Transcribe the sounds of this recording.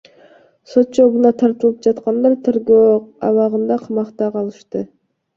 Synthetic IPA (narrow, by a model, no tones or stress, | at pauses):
sot̪̚t͡ʃʰoɡunɑt̪ʰɑɾt̪ɯlˠɯp̚d͡ʒɑt̪qɑnd̪ɑɾt̪ʰeɾɡoɑ̰vɑʁɯnd̪ɑqʰɑmɑqt̪ɑqʰɑlˠɯʃt̪ɯ